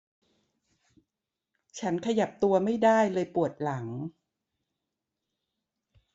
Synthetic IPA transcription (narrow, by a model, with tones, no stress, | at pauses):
t͡ɕʰa˦˥nkʰa˧ja˨˩p̚t̪u˧ɐma˥˩jda˥˩jlɤː˧jpu˨˩ət̪̚la˩˦ŋ